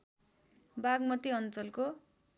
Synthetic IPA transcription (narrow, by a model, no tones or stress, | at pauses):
baɡmʌt̪iʌnt͡sʌlko